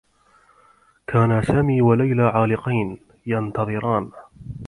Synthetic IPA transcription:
kʰaːnasaːmiːwalajlaːʕaːlɪqɑjn | jɑnt̪ɑðˤɨɾɑːn

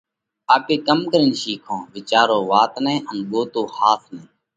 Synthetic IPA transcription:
aːpeːkəmkəɾɪnʃiːkʰõːʋɪt͡ʃaːɾoːʋaːt̪nẽːʔənɠoːt̪oːhaːsnẽː

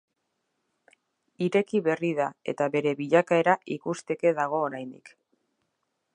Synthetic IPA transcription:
iɾe̞kiβe̞rið̞ae̞̰t̪aβe̞ɾe̞βiʎakae̞ɾaʔikust̪e̞ke̞ðaɣ̞o̞ːɾajnd̪ḭk

